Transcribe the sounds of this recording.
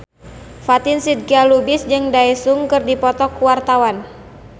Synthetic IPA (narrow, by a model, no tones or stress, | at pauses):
fat̪ɪnsid̪̚ɡalubɪsd͡ʒɨŋdaɛsuŋkɨrdipɔt̪ɔkuwart̪awan